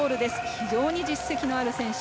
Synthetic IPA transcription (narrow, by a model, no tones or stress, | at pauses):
oːɾɯ̟d̪e̞sɨ̥çʲiʑo̞ːɲ̟id͡ʑisːe̞kʲino̞aɾɯ̟sẽ̞ɰ̃ɕ